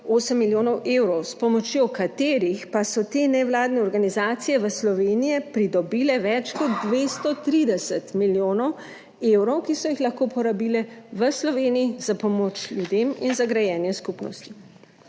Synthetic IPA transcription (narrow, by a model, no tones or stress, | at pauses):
oːsəmːiljoːnɔwʔewɾɔwspɔmɔt͡ʃjokat̪eːɾixpasɔt̪eːnɛwlaːd̪nɛɔɾɡanizaːt̪sijɛʋəslɔʋeːnijɛpɾid̪ɔbilɛʋɛt͡ʃkɔt̪d̪ʋest̪ɔt̪ɾid̪ɛsət̪miljoːnɔw | ewɾɔwkisɔjixlaxkoːpɔɾabilɛʋəslɔʋeːniiz̥apɔmoːt͡ʃlʲjud̪eminzaɡɾajɛːnjɛskupnɔ̰st̪i̥